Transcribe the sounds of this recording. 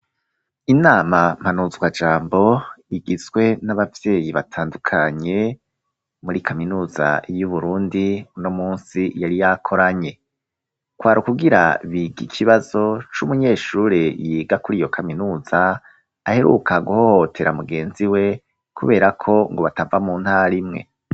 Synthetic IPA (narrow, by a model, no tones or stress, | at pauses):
inaːmam̥hanuzɡwad͡ʒaːmbo̞iɡizɡwe̞naβavje̞ːjiβatʰaːndukʰaɲe̞ | muɾikaminuːza̰juβuɾuːndiunomuːnsijaɾijakʰo̞ɾaɲe̞ | kwaːɾukuɡiɾa̰βiɡikʰiβazo̞t͡ʃumuɲe̞ːʃuːɾejiːɡakuɾijo̞kʰaminuːzaː | he̞ɾṵkaɡuhohotʰe̞ɾamuɡe̞ːnziwe̞ | kʰuβe̞ːɾakʰo̞ŋɡo̞βatavamuːnhaɾimŋe̞̰